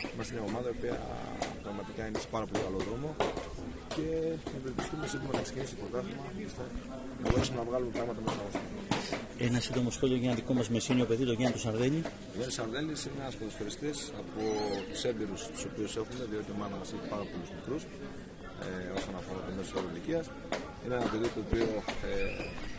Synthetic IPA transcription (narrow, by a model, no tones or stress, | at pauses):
imɐsineo̞mɐðɐio̞piɐ̰pɾɐɣmɐt̪ikɐinese̥pɐɾɐpo̞likɐlo̞ðɾomo̞ | ce̞epep̪ist̪umesind̪omɐnɐkse̞cinispot̪ɐθomɐist̪e | nɐboɾisumenɐvɣɐlume̞pɾɐɣmɐt̪ɐmet̪osɐɣost̪imo | e̞nɐsind̪o̞mo̞sxo̞lʲioʝenɐðikomɐzmesinio̞pe̞ðit̪oʝenit̪osɐɾðe̞ʎi | t̪oʝent̪isɐɾðelisineɐspolosfoɾist̪isɐpo̞t̪u̥sembiɾust̪u̥so̞piuse̞xume̞ðio̞t̪iomɐnɐmɐseçipɐɾɐpo̞luzmikɾus | eo̞sonɐfo̞ɾɐt̪omesskɐɾoliciɐs | ineenɐpe̞ðit̪o̞ːpioe